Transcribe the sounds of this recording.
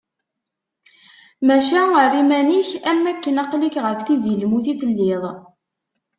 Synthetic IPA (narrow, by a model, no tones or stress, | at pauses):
mæʃæərːimæniçæmːækːənɑqlikʁəfθizjəlmuθiθəlːɪðˤ